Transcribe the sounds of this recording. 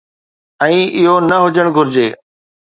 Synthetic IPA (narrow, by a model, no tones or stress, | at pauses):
ɛ̃ːɪɦonɐɦʊd͡ʑəɽ̃ɡʱʊɾɪd͡ʑeː